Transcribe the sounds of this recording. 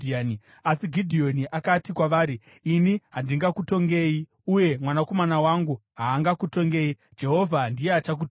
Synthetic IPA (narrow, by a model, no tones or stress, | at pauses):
ani | asiɡʱidʱio̞niʔakatikwaʋaːɾiː | niɦandiŋɡakuto̞ŋɡe̞ːji | uje̞mwanako̞manawaŋɡuɦaːŋɡakuto̞ŋɡe̞ːi | d͡ʒe̞ɦo̞vʱandijeat͡ʃak̬ut